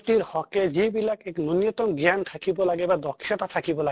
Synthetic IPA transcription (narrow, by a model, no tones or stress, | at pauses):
t̪iɾhɔked͡ʑebilakɛknonjot̪omɡant̪ʰakibolaɡebad̪ɔkʰːjot̪at̪ʰakibola